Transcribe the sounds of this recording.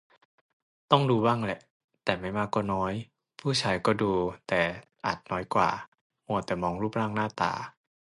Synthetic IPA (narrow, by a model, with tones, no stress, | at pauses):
t̪ɔ˥˩ŋduː˧waː˥˩ŋlɛ˧˩ʔ | t̪ɛː˨˩ma˥˩jmaː˧kɔː˥˩nɔː˦˥j | pʰuː˥˩t͡ɕʰaː˧jkɔː˥˩duː˧t̪ɛː˨˩ | ʔa̰˨˩t̪̚nɔː˦˥jkwa̰ː˨˩ | mu˧˥˩ət̪ɛː˨˩mɔː˧ŋɾuː˥˩p̚ɾaː˥˩ŋnaː˥˩t̪a̰ː˨˩